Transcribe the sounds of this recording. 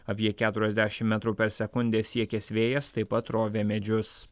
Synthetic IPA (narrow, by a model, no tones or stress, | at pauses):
ɐpʲiɛkʲæːt̪ʊɾʲɛzd̪ʲæːʃʲɪmmʲɛt̪ɾuːpʲɛɾsʲɛkʊnʲd̪ʲeːsʲiɛkʲɛsʲʋʲeːjɛst̪ɐɪpɐt̪ɾoːʋʲeːmʲɛd͡ʒʲʊs